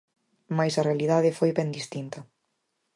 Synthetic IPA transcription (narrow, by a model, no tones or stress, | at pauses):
majsɐrealiðaðɪfojβɛnd̪ist̪int̪ɐ